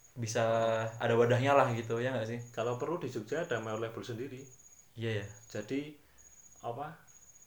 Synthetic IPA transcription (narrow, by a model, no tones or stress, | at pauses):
bisaa̰dawadaɦɲalahɡit̪ujaŋɡaʔsɪhkalopərludid͡ʒuk̚d͡ʒadamaulab̥əlsəndiɾiijajad͡ʒadi | apa